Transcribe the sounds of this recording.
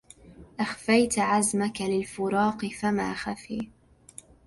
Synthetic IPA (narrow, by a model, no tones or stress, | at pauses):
ʔaxfajt̪ʕazmakalɪlfʊɾˤɑːqɨfama̰ːxafḭː